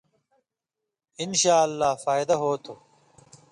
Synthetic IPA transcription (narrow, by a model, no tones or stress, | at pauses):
inɕaːɐlːaːfaːjd̪ɐɦoːt̪ʰoː